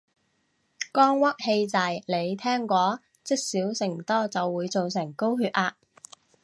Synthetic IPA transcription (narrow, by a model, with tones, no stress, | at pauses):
kɔː˥ŋwɐ˥k̚he˧jt͡sɐ˨jle˨˧jt̪ʰɛː˥ŋkʷɔː˨˥ | t͡sɪ˥k̚siː˨˥wsɪ˨˩ŋt̪ɔː˥t͡sɐ˨wːuː˨˧jt͡so˨wsɪ˨˩ŋko˥wɦyː˧t̚ʔaː˧